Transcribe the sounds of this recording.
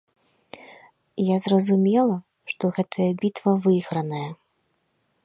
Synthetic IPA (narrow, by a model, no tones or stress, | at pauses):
jazrɐzumʲɛlˠɐ | ʂt̪ɔɣɛt̪ʰɐjɐbʲit̪vɐvɨɣɾɐnɐjɐ